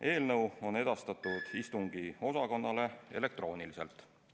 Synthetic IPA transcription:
e̞ːlnɤwo̞ne̞d̪̥ɑst̪ɑt̪ːˑud̪̥ist̪uŋɡ̥io̞sɑko̞nːɑle̞e̞̰le̞k̚t̪ro̞ːnilise̞lt̪ːˑ

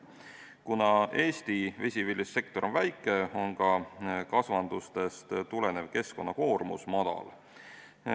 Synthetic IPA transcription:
kunɑe̞ːst̪ivesʲivilʲːisːe̞k̚t̪o̞ɾʔovæjkːˑe̞o̞nkɑkɑsvɑnd̪ust̪e̞st̪t̪ule̞ne̞vke̞sko̞nːɑko̞ːrmṵsmɑd̪̥ɑ̰l

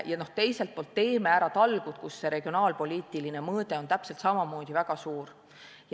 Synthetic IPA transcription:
jɑno̞ht̪e̞jse̞lt̪̚po̞lt̪ːe̞ːmeæɾɑt̪ɑlɡ̥ut̪kusːe̞ɾe̞ɡ̥io̞nɑːlpo̞lʲiːt̪ˑiline̞mɤːd̪e̞o̞nt̪æpse̞lt̪sɑmɑmo̞ːd̪̥ʲivæɡ̥ɑsuːɾ | j

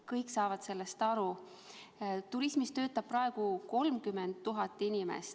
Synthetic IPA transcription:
kɤjksɑːvɑd̪̥se̞lːest̪ɑɾu | t̪uɾismist̪ø̞ːt̪ːˑɑb̥̚pːrɑe̞ɡ̥uko̞lmkymːent̪ːuɦɑt̪ːˑinimḛst̪

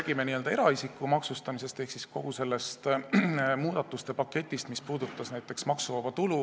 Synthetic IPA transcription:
æːɡ̥ime̞niøld̪̥ɑeɾɑisikːˑumɑksust̪ɑmise̞st̪e̞hksisko̞̰ɦuse̞lːe̞st̪ | muːd̪̥ɑt̪ːˑust̪e̞pɑkːe̞t̪ʲːˑist̪mispuːd̪̥ut̪ːˑɑsnæjt̪ːˑe̞ksmɑksuvɑvɑt̪ulu

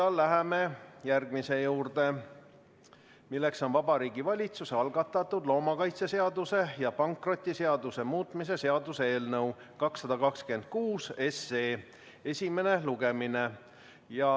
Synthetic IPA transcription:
ɑlːæɦeme̞jærɡ̥mise̞juːrd̪̥e̞ | milːe̞kso̞nvɑb̥ɑɾiːɡ̥ivɑlʲit̪suseɑlɡɑt̪ːˑɑt̪ːud̪̥lo̞ːmɑkɑjt̪sese̞ɑd̪use̞jɑpɑŋkro̞t̪ʲːˑise̞ɑd̪use̞muːt̪ˑmis̬e̞se̞ɑd̪usee̞ːlnɤw | kɑksːɑd̪̥ɑkɑkske̞nd̪̥̚kuːse̞seː | e̞sʲime̞ne̞luɡ̥e̞mine̞ | jɑ

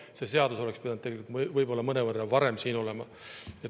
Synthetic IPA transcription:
se̞se̞ɑd̪uso̞le̞kspid̪ɑnd̪eɡelikut̪mvɤjbo̞lːɑmɤne̞vɤrːɑvɑɾe̞msiːno̞le̞mɑ | et̪

